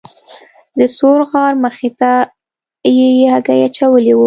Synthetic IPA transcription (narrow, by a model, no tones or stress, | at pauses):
d̪əsoɾɣɑɾməxet̪a | jejeaɡajat͡ʃawəliwu